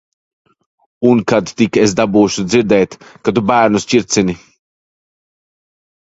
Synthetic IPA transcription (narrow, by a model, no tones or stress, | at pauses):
unkad̪t̪ikɛs̬d̪abuːʃuziɾd̪ɛjt̪kad̪ubæːɾnust͡ʃiɾt̪t͡sini